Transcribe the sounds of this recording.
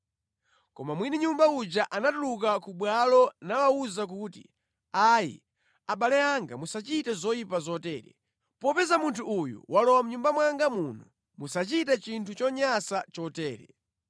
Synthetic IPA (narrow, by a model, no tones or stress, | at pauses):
kɔmamwiniɲumbaud͡ʒaʔanatulukakuɓwalɔnawauzak̬uːtḭ | ajḭ | aɓalɛaŋɡa̰musat͡ʃitɛzɔjipazɔtɛːɾɛ̰ | pɔpɛzamuntʰuːjṵwʔalɔwam̩uɲumbamwaŋɡamunu | musat͡ʃitat͡ʃintʰut͡ʃɔɲasat͡ʃɔtɛːɾɛ̰